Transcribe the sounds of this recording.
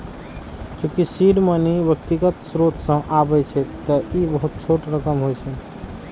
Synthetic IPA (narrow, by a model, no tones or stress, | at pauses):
t͡ʃũkisiɾmənibjək̚t̪iɡət̪sɾot̪ʰsə̃ʔabɛt͡ʃʰɛt̪əibəɦut̪̚t͡ʃʰoʈɾəkəmɦojt͡ʃʰɛ